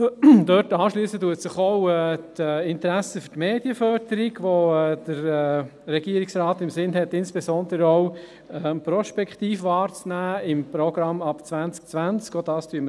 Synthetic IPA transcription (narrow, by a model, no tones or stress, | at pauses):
d̥̪œtɑːʃlyːsətuətsɪχɔʊɛːtɛːɪnt̪ɾæsəfʏɾtmeːdjəfœɾd̥əɾiɡʋoɛd̥əɾɛːrɛɡiəɾɪksɾɑːt̪ɪmsɪnɦɛtːɪnsb̥esɔnd̪əɾəɔʊ | ɛpɾɔʃpɛkχt̪iːfʋɑːɾt͡snæːɪmpɾɔɡɾɑmɑpt͡sʋænt͡sk̚t͡sʋænt͡skod̥ɑːstyəmə